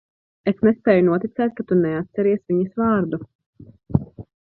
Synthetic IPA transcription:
esnespeːjunuɔt̪it̪sɛːt̪̚kat̪unɛat̪̚sɛɾiɛsviɲɐsvɑːɾd̪u

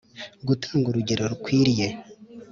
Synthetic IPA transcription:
ɡutaːŋɡuɾuɟe̞ɾoɾukwiːɾije

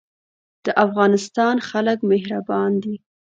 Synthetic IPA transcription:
d̪̥əʔafɣɑnɪst̪ɑnxaləkmehɾabɑnd̪i

